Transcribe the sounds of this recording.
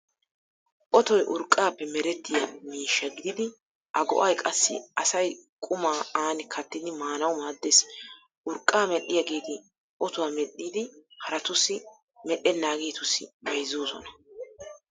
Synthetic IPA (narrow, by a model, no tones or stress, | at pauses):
ʔɔt̪ɔjʔʊɾkʼːaːpːɛmɛɾɛt̪ːɪjɐ̰miːʃːɐɡɪd̪ɪd̪ɪ | ʔɐɡɔ̰ʔɐjkʼɐsːɪ̰ɐsɐjkʼʊmaːaːnɪkʰɐt̪ːɪd̪ɪmaːnɐwʊmaːd̪ːes | ʔʊɾkʼːaːmɛɗːɪjɐɡiːd̪ɪ | ʔɔt̪ʊwamɛɗːiːd̪ɪhɐɾɐt̪ʊsɪ | mɛɗːɛnːaːɡeːt̪ʊsːɪ̰bɛjzuːsɔ̰nɐ